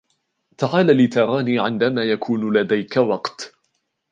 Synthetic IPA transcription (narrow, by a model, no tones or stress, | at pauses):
t̪aʕaːlalɪt̪aɾˤɑːniːʕɪnd̪amaːjakʰuːnlad̪ajkawɑqt̪